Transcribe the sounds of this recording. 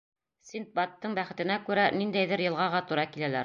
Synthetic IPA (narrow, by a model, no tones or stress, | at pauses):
sint̪̚bɑt̪ːɤɴbæχɘ̆t̪ɘ̆nækʉɾænind̪æjðɘɾjɤ̆lˠʁɑʁɑt̪uɾɑkilælæɾ